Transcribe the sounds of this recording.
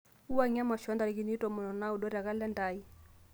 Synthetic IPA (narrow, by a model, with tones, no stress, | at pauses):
u˦wa˦ŋa˦ma˨ʃɔ˦nda˨ɾi˨ki˨ni˦tɔ˨mɔ˨nɔ˨na˦u˨dɔ˦ɾa˨ka˦lɛ˦nda˨˦i˦